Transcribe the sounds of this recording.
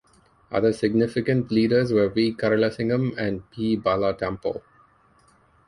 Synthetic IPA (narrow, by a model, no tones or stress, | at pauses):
ʔʌ̰d̪əsɪɡnɪfɪkə̃ɳʈliːɖəɾzʋəʋiːkaɾələsɪ̃ŋɡə̃mæ̃nɖ̚pʰiːbalaʈɛ̃mpə̰l